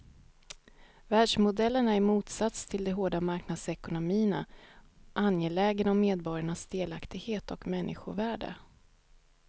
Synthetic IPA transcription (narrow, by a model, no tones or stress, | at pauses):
væːɖʂmʊd̪ɛlːəɳaæɾmuːt̪sat̪st̪ʰɪld̪ɛɦoːɖamaɾknad̪sɛkʊnʊmiːəna̰ʔanjeːlɛːɡənɔmːeːd̪̚bɔɾjaɳasd̪eːlakt̪ɪɡheːt̪ɔkmɛnːʔɪ̰ɧʊ̰væːɖə̰